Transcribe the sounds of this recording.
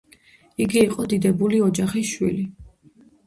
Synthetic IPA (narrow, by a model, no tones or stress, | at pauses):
iɡiːqʼɔd̪id̪ɛbuliɔd͡ʒaχisʃwḭli